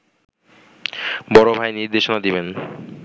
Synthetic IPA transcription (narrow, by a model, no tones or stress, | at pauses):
bɔɾobʱajniɾd̪eʃonad̪iben